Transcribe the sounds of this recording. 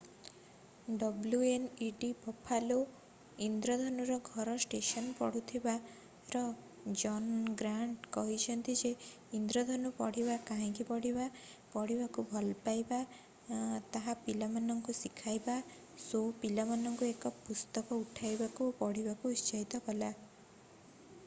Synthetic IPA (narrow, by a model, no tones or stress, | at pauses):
ɖɔbljueniɖibʱɔpʰalo | ind̪ɾɔd̪ʱɔnuɾɔɡʱɔɾɔsʈesɔnpɔ̰ɽut̪ʰiba | ɾɔ | d͡ʒɔnɡɾaɳʈkɔɦit͡ʃʰɔnt̪id͡ʒe | ind̪ɾɔd̪ʱɔnupɔɽ̤ibakaɦĩkipɔɽibapɔɽibakubʱɔlpajba | t̪aɦapilamanɔŋkusikʰajba | sopilamanɔŋkuekɔpust̪ɔkɔuʈʰajbakuopɔɽ̤ibakuist͡ʃɔɦit̪ɔkɔla